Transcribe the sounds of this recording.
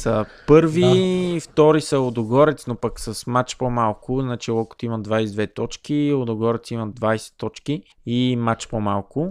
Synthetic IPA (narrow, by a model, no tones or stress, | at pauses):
səpɤɾvift̪ɔɾisəod̪oɡɔɾɛt̪snopəksəsmat͡ʃpomalˠkʊznat͡ʃilˠɔkʊ̥t̪imɐd̪vajsɛd̪vɛt̪ɔt͡ʃkiod̪oɡɔɾɛt̪simɐd̪vajsɛ̥t̪ɔt͡ʃki | imat͡ʃpomalˠkʊ